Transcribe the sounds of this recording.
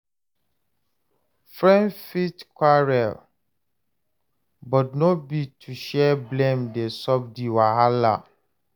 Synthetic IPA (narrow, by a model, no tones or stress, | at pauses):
fɹɛ̃nfitkwaɹɛl | bɔtnobitʰuʃɛblẽmdesɔb̚diwaɦala̰